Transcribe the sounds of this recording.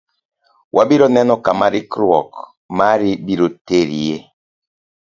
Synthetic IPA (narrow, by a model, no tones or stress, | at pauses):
wʔabiɾɔnɛnɔkamaɾikɾɔ̰k | maɾibiɾoteɾije